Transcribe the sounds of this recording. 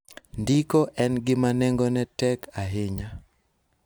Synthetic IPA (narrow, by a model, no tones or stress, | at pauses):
ndikɔʔɛnɡɪmanɛŋɡoɔnɛtɛkʰaɦeɲa